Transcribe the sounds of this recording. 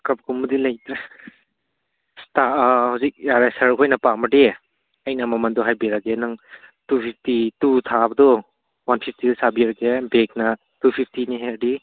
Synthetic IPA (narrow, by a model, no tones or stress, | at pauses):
kɐp̚kumudilɐjt̪ɾe | stahawzik̚jaɾesɐɾkʰojnɐpamɐde | ɐjnamɐmɐndɔɦajbiɾaɡenɐŋtupʰip̚ʰtitut̪ʰabɐd̪ɔ | wanpʰipʰtidsabiɾaɡebek̚nɐ | tupʰip̚ʰtiniɦedi